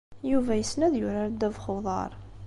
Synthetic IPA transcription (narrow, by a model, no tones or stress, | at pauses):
juvæjəsnæðjʊɾaɾd̪ævχoðˤɑ̰ɾˤ